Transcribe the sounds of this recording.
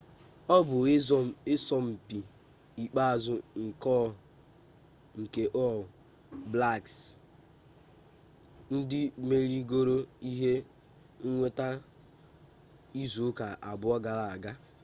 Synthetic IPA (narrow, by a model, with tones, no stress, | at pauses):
ɔ˦bʊ˨˦ɔ˦ɪ˦sɔ˦m̩˨pi˨ | i˨k͡pa˦a˨zʊ˨ŋ̩˨kɔ˦ | ŋ̩˨ke˨ʔɔ˦˨ | bla˦˨ks | n̩˦dɪ˦me˦ɾi˦ɡo˦ɾo˦i˦ɦe˦ | ŋ̩˦ŋʷe˦ta˦ | i˦zu˨˦ka˨ʔa˨bʊ˨˦ɔ˦ɡa˨la˨a˨ɡa˦